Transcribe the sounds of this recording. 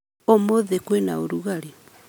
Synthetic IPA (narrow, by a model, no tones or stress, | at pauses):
omoðekwenaoɾuɣaɾe